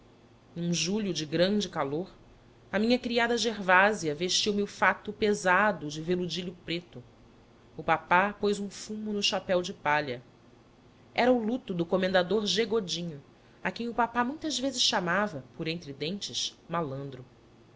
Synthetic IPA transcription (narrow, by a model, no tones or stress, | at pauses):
ũʒuʎʊd͡ʒɪɡɾɐ̃d͡ʒɪkaloɾ | ɐmĩɲɐkɾiad̪ɐʒeɾvaziɐveʃt͡ʃiwmiʊfat̪ʊpezad̪ʊd͡ʒɪvelud͡ʒiʎʊpɾet̪ʊ | ʊpapapojzũfũmʊnʊʃapɛwd͡ʒɪpaʎɐ | ɛɾɐʊlut̪ʊd̪ʊkomẽnd̪ad̪oɾʒeɡod͡ʒĩɲʊ | akẽj̃ʊpapamũj̃t̪ɐzvezɪʃʃamavɐpʊɾẽnt̪ɾɪd̪ẽnt͡ʃɪʃmalɐ̃nd̪ɾʊ